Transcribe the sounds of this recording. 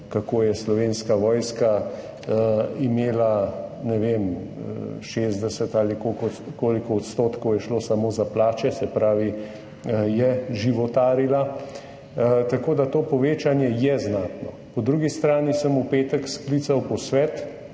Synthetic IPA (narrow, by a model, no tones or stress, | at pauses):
kakoːjɛslɔʋeːnskaʋɔːjska | imeːlanɛʋem | ʃeːzd̪ɛsɛt̪aːlikokɔkoːlikɔːt̪st̪oːt̪kɔwjɛʃloːsamoːzaplaːt͡ʃɛsɛpɾaːʋi | jɛʒiʋɔt̪aːɾila | t̪akoːd̪at̪oːpɔʋeːt͡ʃanjɛjɛznaːt̪nɔ̰ | pɔd̪ɾuɡist̪ɾaːnisəmupeːt̪əkskliːt̪sawpɔsʋɛːt̪